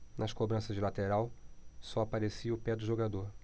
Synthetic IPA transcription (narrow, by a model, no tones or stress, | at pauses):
nʔɐʃkobɾɐ̃sɐzd͡ʒɪlat̪eɾawsɔapaɾesiɐʊpɛd̪ʊʒoɡad̪oɾ